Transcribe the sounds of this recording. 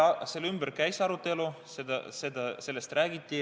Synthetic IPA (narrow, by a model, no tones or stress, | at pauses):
se̞lːymb̥əɾkæjsɑɾut̪ːˑe̞lu | sed̪ɑ̰se̞d̪̥ɑse̞lːest̪ræːɡ̥it̪ʲːˑi